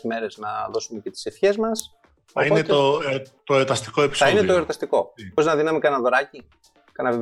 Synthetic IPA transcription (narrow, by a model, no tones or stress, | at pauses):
me̞ɾe̞znɐðo̞sume̞ce̞t̪i̥sefçe̞zmɐs | oionet̪ot̪oeɾot̪ɐst̪i̥koepisɐinet̪oeɾot̪ɐst̪iko̞boɾiznɐðinɐmikɐnɐðo̞ɾɐci | kɐnɐve